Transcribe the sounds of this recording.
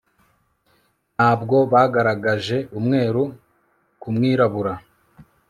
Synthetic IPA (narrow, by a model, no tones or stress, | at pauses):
naːbɡo̞βaɡaɾaɡaʒe̞ʔumŋe̞ːɾu | kumŋiːɾaβuɾa